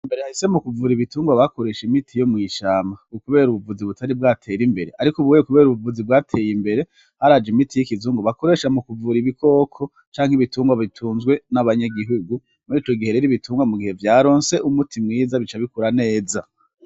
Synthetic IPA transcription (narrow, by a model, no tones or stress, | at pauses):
imbe̞ɾehahise̞mukuvuɾiβituːŋɡwaβako̞ɾe̞ʃimitʰijo̞mŋiːʃaːmaukuβe̞ːɾuβuvuziβutʰaɾib̚ɡaːtʰe̞ːɾimbe̞ɾe̞ʔaɾikuβuwekuβe̞ːɾuβuvuzibɡaːtʰe̞jimbe̞ɾe̞ | haɾad͡ʒimitʰijikizuːŋɡoβako̞ɾe̞ːʃamukuvuɾiβikʰo̞ːkʰo̞ | t͡ʃaːŋhiβituːŋɡwaβitʰuːnzɡwe̞naβaɲaɡiɦuɡu | muɾiːt͡ʃo̞ɡihe̞ɾeɾiβitʰuːŋɡwamuɡihe̞vjaːɾo̞ːnse̞ʔumutʰimŋiːzaβit͡ʃaβikuɾane̞ːza